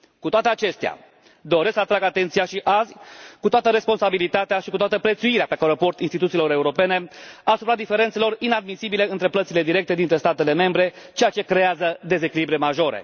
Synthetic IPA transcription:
kut̪oat̪eat͡ʃe̞st̪ea̰ | d̪o̞ɾesksəat̪ɾaɡat̪e̞nt̪sijaʃiʔazʲkut̪oat̪əɾe̞spo̞nsabilit̪at̪eaʃikut̪oat̪əpɾe̞t̪suiɾeapekaɾepo̞rt̪inst̪it̪ut̪silo̞ɾe̞uɾo̞pe̞ne̞asupɾad̪ife̞ɾent̪selo̞rinad̪misibile̞ɨnt̪ɾe̞plət̪sile̞d̪iɾe̞k̚t̪e̞d̪int̪ɾe̞st̪at̪e̞le̞me̞mbɾe̞t͡ʃe̞jat͡ʃe̞kɾe̞azəd̪e̞ze̞kʲilibɾemaʒo̞ɾḛ

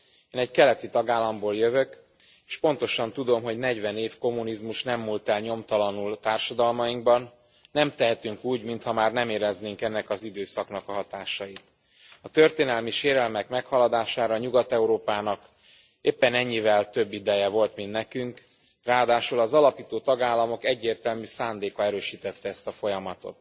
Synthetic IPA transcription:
eːnɛɟkɛlɛt̪it̪ɒɡaːlːɒmboːljøvø̞k | eːʃpo̞n̪t̪o̞ʃɒnt̪ud̪o̞mɦo̞ɟnɛɟvɛneːfko̞munizmuʃnɛmːult̪ɛlɲo̞mt̪ɒlɒnult̪aːrʃɒd̪ɒlmɒiŋɡ̚bɒnː | ɛmt̪ɛɦɛt̪yŋkuːɟmint̪hɒmaːrnɛmeːɾɛzneːŋkɛnːɛkɒzid̪øːsɒkn̪ɒkɒɦɒt̪aːʃɒjit̪ | ɒt̪ø̞rt̪eːnɛlmiʃeːɾɛlmɛkmɛkhɒlɒd̪aːʃaːɾɒːɲuɡɒt̪ɛuɾoːpaːnɒk | eːpːɛnɛɲːivɛlt̪ø̞bːid̪ɛjɛvo̞lt̪mint̪nɛkyŋk | raːɒd̪aːʃulɒzɒlɒpiːt̪oːt̪ɒɡaːlːɒmo̞kɛɟːeːrt̪ɛlmysaːnd̪eːkɒɛɾøːʃiːt̪ɛt̪ːɛɛst̪ɒfo̞jɒmɒt̪o̞̰t̪

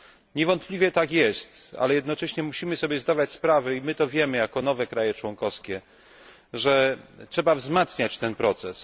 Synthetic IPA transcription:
ɲɛvɔnt̪̚plʲivʲjɛt̪akjɛst̪a̰lɛjɛd̪nɔt͡ʂɛɕɲɛmuɕimɘsɔbʲjɛzd̪avat͡ɕspɾavɛimɘt̪ɔvʲjɛmɘjakɔnɔvɛkɾajɛt͡ʂwɔŋkɔfskʲɛ | ʐɛtʂɛbavzmat̪sɲat͡ɕt̪ɛnpɾɔt̪sɛs

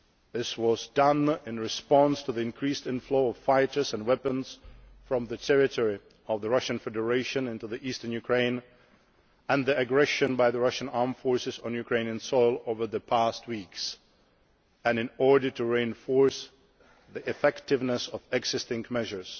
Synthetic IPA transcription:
ðɪswɔzdʌ̃nɪ̃nɹɨspɑ̃nstʰɨðiɨ̃nkʰɹistɪ̃nfloʊɔv̥faɪɾə˞zɨ̃nwɛpə̃nsfɹɔ̃mðɨtʰɛɹɪtʰɔɹi | ɔvðəɹʌʃɨ̃nfɛdə˞eɪʃɨ̃nɪ̃ntuðiʔistə˞njʉkʰɹ̥ẽɪ̃n | ɨ̃nðiɨɡɹɛʃɨ̃nbaɪðəɹʌʃɨ̃nɑɹmfɔɹsɪzn̩jukʰɹ̥ẽɪ̃niɨ̃nsɔɪlˠoʊvə˞ðɨpʰæst̚wiks | ɨ̃nɨ̃nɔɹdə˞tʰuɹiɨ̃nfɔɹs | ðiʔɨfɛktɪvnəsɔvɛɡz̥ɪstɪ̃ŋmɛʒə˞s

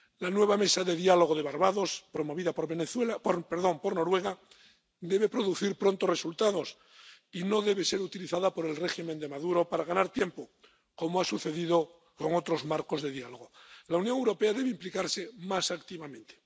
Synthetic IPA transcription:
lanwe̞βame̞saðe̞ðjalo̞ɣ̞oðe̞βaɾβaðo̞spɾo̞mo̞β̞iðapoɾβeneθwelapoɾpeɾðo̞ŋpo̞ɾno̞ɾwe̞ɣa | d̪e̞βe̞pɾo̞ðuθiɾpɾo̞nt̪ore̞sult̪að̞o̞s | ino̞ðe̞βe̞se̞ɾut̪iliθaðapo̞ɾe̞lre̞ximend̪e̞maðuɾo̞paɾaɣanaɾt̪je̞mpo̞ | ko̞moasuθe̞ðiðo̞ | ko̞ŋo̞t̪ɾo̞zmaɾko̞zðe̞ðialo̞ɣ̞olaunjoŋewɾo̞pe̞aðe̞βeimplikaɾsemasakt̪iβamẽ̞nt̪e̥

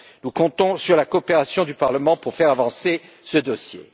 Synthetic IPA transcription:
nukɔ̃t̪ɔ̃syʁlakoːpeʁasjɔ̃d̪ypaʁləmɑ̃puʁfɛʁavɑ̃se | səd̪ɔsjḛ

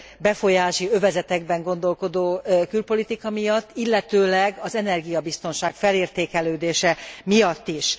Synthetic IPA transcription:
bɛfo̞jaːʃiø̞vɛzɛt̪ɛɡbɛŋɡo̞nd̪o̞lko̞d̪oːkylpo̞lit̪ikɒmijɒt̪ːilːɛt̪øːlɛɡɒzɛnɛrɡijɒbist̪o̞nʃaːkfɛleːrt̪eːkɛløːd̪eːʃɛmijɒt̪ːiʃ

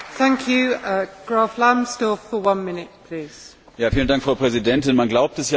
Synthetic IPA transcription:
θæ̃ŋkʰjʉəɡ̥ɹɑˑflãmstɔffəwʌ̃nmɪnɪt̚pʰl̥iːz̥ | jaːfiːləndaŋkfʁ̥aʊpʁ̥ɛzidɛntɪnmanɡlaʊp̚tɛsja

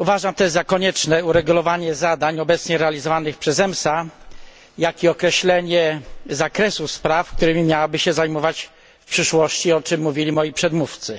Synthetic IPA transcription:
uvaʐamt̪ɔɛzzakɔɲɛt͡ʂnɛuɾɛɡulɔvaɲɛzad̪aɲɔbɛt̪sɲɛɾɛalʲizɔvanɘxpʂɛzɛmsa | jakʲiɔkɾɛɕlɛɲɛzakɾɛsuspɾafk̚t̪uɾɘmʲimʲjawabɘɕɛzajmɔvat͡ɕ | fpʂɘʂwɔɕt͡ɕiɔt͡ʂɘmːuvʲilʲimɔjipʂɛd̪muft̪sɘ

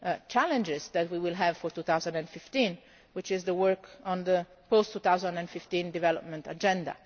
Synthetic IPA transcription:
t͡ʃalɛ̃nd͡ʒɪzd̪ɛt̪wiwɪlɦɛvfɔɾt̪ut̪awzãnd̪ɛ̃ndfɪft̪ĩn | wɪt͡ʃɪzd̪əwəɹkʰɔ̃nd̪ə | post̪ːut̪awzãndɛ̃nfift̪ĩnd̪ivɛlɔp̚mɛ̃nt̪ad͡ʒɛ̃nd̪a̰

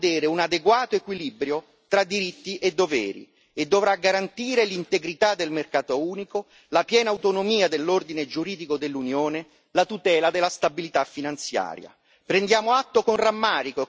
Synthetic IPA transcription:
d̪ɛːɾeunad̪eɡwaːt̪oekwilibɾjo | t̪ɾad̪ːiɾit̪ːiʔed̪ːovɛ̰ːɾḭ | ed̪ːovɾaɡaɾant̪iːɾelint̪eɡɾit̪ad̪ːelmerkaːt̪ouːniko | lapjɛːnaut̪onomiːad̪elːord̪ined͡ʒuɾiːd̪ikod̪elːunjoːne | lat̪ut̪ɛːlad̪ɪlːast̪abilit̪afːinant̪sja̰ːɾja̰ | pɾend̪jaːmoat̪ːokonramːaːɾiko

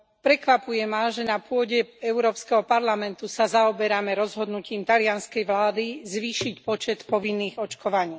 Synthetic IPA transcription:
pɾɛkʋapujɛmaʒɛnapʊɔɟɛɛʊɾɔːpskɛɦɔpaɾlamɛnt̪usazaɔbɛɾamɛɾɔzɦɔd̪nuciːmt̪alɪanskɛjʋlaːd̪izʋiːʃicpɔt͡ʃɛt̪pɔʋinːiːɣɔt͡ʃkɔʋaɲiː

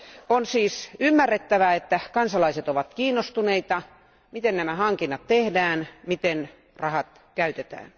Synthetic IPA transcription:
onsiːsymːærːet̪ːæʋæet̪ːækɑnsɑlɑiset̪oʋɑt̪kiːnːost̪uneit̪ɑ | mit̪ennæmæhɑŋkinːɑt̪t̪ehdæːnmit̪en | rɑhɑt̪ | kæyt̪et̪æ̰ːn

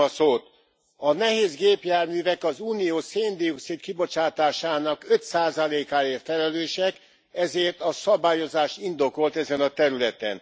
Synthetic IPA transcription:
soːt̪ | ɒnɛɦeːzɡeːpjaːrmyːvɛkɒzuːnijoːseːnd̪ijuksit̪kibo̞t͡ʃaːt̪aːʃaːnɒkø̞t̪saːzɒleːkaːeːrt̪fɛlɛløːʃɛk | ɛzeːrt̪ɒsɒbaːjo̞zaːʃt̪ind̪o̞ko̞lt̪ɛzɛnɒt̪ɛɾylɛt̪ɛn

